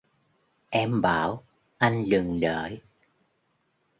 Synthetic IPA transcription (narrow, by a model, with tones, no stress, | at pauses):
ʔɛ˧mɓaː˧˩˦w | ʔa˧ŋ̟lɨ˨˩ŋlə̰ː˧˨˦j